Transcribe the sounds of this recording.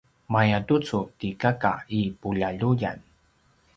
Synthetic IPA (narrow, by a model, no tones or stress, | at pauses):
majat̪ut͡sʊt̪ikaka̰ipuʎaʎuja̰n